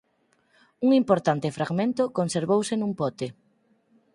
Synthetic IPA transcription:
uŋimpoɾt̪ant̪ɪfɾaɣmẽnt̪ʊkonseɾβowsɪnũmpɔt̪e

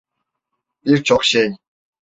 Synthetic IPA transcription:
pirt͡ɕʰɔχʃeːnʲ

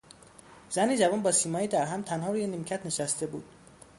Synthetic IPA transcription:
z̥æniːd͡ʒævɒːnbɒːsiːmɒːjiːd̪æɾɦæmt̪ʰænhɒːɾuːjenimcʰæt̪ʰne̞ʃæst̪e̞bṵːd̪̥

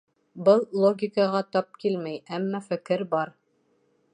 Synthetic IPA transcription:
bɤlˠlˠoɡʲɪkɑʁɑt̪ɑp̚kilmæjæmːæfɘ̆kɘɾbɑɾ

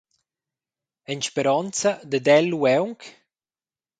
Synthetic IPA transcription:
ɛnʃpeɾɔnt͡sad̪əd̪ɛlːuɛwŋk

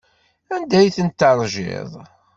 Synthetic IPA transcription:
ænd̪æjθənt̪ːɑɾˤʒɪ̰ðˤ

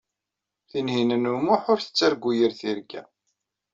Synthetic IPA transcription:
θinɦinənumʊħʊɾθə̥t͡sːæɾɡʷːujəɾθiɾɡæ̰

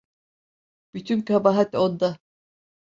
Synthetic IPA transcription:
b̥yt̪ʰymkabaɦat̪ond̪a

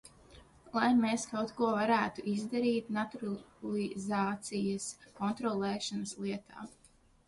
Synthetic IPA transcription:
lˠajmeːskawt̪kuɔvaɾæːt̪uʔizd̪aɾiːt̪nat̪uɾlˠizaːt̪sijɐskɔnt̪ɾɔlˠɛːʃanɐslˠiɛt̪ʰa̰ː

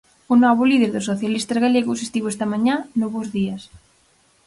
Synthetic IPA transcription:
onɔβolið̞eɾðosoθjalist̪azɣaleɣosest̪iβoest̪amãɲãnoβozðiɐs

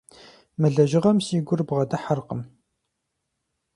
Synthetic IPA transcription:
mɨɮɐʒɪʁɐmsiːɡʷʊrbʁɐdɐħarqəm

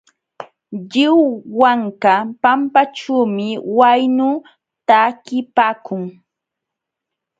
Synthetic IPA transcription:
ʎɪwwaŋkapampaʈ͡ʂuːmɪwajnʊ | t̪aːkɪpaːkʊŋ

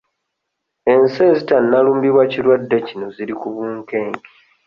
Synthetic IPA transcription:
ense̞zitanːaluːmbiβwacilwadːe̞cino̞ziɾikuβuːŋke̞ːŋki̥

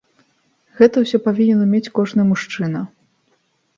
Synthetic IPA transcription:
ɣɛt̪ɐwsʲɔpavʲinʲɛnɐmʲet͡sʲkɔʐnɐjmuʂt͡ʂɨnɐ

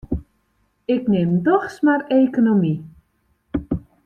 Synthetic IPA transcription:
ɪknemdɔχsmarejkonomi

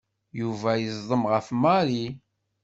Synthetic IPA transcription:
juvæjəzˤðˤəmʁəfmɑɾi

